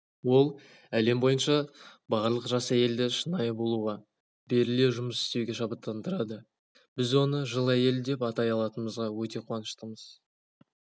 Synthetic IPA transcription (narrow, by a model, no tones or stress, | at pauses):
wo̞lˠ | æle̞mbo̞jənʃɑbɑʁəɾlˠəqʒɑsæje̞ld̪ɪʃənɑjəbo̞lˠuʁɑ | be̞ɾɪle̞ʒʊməsɪ̥st̪e̞wɡʲe̞ʃɑbət̪ːɑnd̪əɾɑd̪ə | bɪzwo̞nəʒəlˠæje̞ld̪e̞pɑt̪ɑjɑlˠɑt̪ənməzʁɑwɵt̪e̞qʰwɑnəʃt̪əməz̥